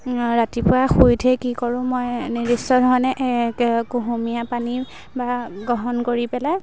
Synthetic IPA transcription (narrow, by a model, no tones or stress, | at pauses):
ɹatipʊɹaxujdʰʱɛkikɔɹʊ̃mojniɹisɔdɦɔjnɛʔɛkɡoɦumijapani | baɡɔɦɔnkoɹipɛlaj